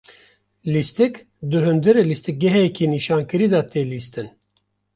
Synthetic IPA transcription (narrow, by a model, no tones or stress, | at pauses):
list̪ɨk | d̪ɨɦɨnd̪ɨɾɨlist̪ik̚ɡɛɦɛjɛkʰiniːʃaːnkɨɾiːd̪ɑt̪ʰeːlist̪ɨn